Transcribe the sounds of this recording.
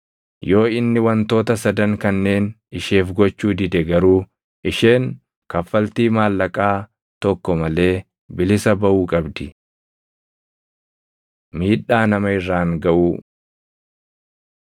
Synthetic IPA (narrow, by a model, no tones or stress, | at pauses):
jo̞ːɪnːɪwɐnt̪o̞ːt̪ɐsɐd̪ɐŋkɐnːe̞ːn | ɪʃe̞ːfɡɔt͡ʃːuːd̪ɪd̪ɛɡɐɾuː | ʔɪʃe̞ːŋ | kɐfːɐlt̪iːmaːlːɐkʼaː | t̪ɔkːɔmɐle̞ː | bɪlɪsɐbɐʔuːkʼɐbd̪ɪ | miːᶑːaːnɐmɐɪrːaːŋɡɐʔuː